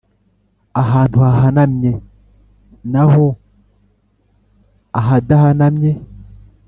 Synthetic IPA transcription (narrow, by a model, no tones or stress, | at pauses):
aɦantuaɦanamɲe | naɦo | aɦadahanamɲe